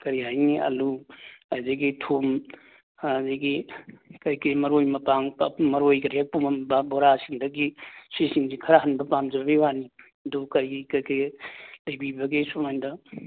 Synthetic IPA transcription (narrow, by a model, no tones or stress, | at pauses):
kɐɾiɦajniɐ̰luajzɐɡitʰum | azeɡikɐjkɐimɐɾojmɐpaŋpmɐɾojkɐɾiɦak̚pumɐbɐboɾasiŋdɐɡisisiŋzikʰɐɾaɦɐnbɐpamd͡ʒɐbiwani | dukɐɾikɐjkɐlɐjbibɐɡisumandɐ